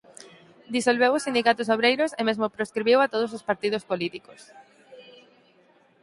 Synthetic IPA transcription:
d̪isolβewʊsind̪ikat̪ʊsoβ̞ɾejɾʊsɪmezmʊpɾoskɾiβiwat̪oð̞ʊs̬ospaɾt̪iðʊspolit̪ikʊs

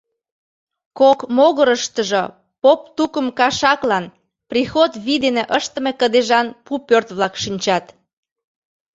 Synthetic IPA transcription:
kokmoɣəɾəʃt̪əʒo | popt̪ukəmkɑʃɑklɑn | prixot̪βid̪eneʔəʃt̪əmekəd̪eʒɑnpupørt̪βlɑkʃinʲt͡ɕɑt̪

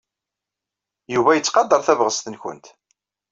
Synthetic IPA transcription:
juvæjət͡sːqɑd̪ːəɾˤθævʁəst̪ənçʊ̰nt̪

